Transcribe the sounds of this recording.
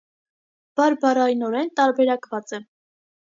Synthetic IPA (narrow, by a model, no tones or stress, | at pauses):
b̥ɑɾbɑrɑjnɔɾɛnt̪ɑɾbɛɾɑkvɑt͡sɛ